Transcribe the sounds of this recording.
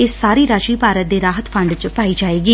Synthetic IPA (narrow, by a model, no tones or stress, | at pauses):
ɪsːaːɾiːɾaːʃiːpaːɾət̪̚d̪eːɾaːɦət̪pʰəɳɖt͡ʃpaːiːd͡ʒaːeːɡiː